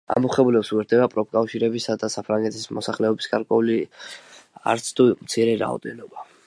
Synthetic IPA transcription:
a̰muχɛbulɛpsuɛɾd̪ɛbapʼɾɔp̚kʼafʃiɾɛbisad̪asapʰɾaŋɡɛt̪ʰismɔsaχlɛɔbisɡaɾkʼwɛuli | a̰ɾt̪sʰt̪ʰumt̪sʰiɾɛɾa̰ɔ̰d̪ɛnɔba

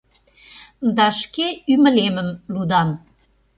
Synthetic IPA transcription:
d̪ɑʃkeymə̆lemə̆mlud̪ɑn

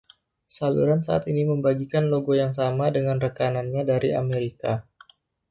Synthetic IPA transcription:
salṵɾansaa̰t̪iniməmbaɡikanloɡojaŋs̬amadəŋanrəkananɲadaɾia̰meɾika

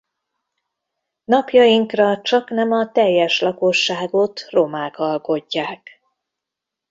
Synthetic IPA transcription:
nɒpjɒjiŋkrɒt͡ʃɒknɛmɒt̪ɛjːɛʃlɒko̞ʃːaːɡo̞t̪ro̞maːkɒlko̞ɟːaːk

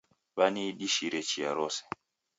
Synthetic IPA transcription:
βaniɗiʃiɾɛt͡ʃia̰ɾɔsɛ̥

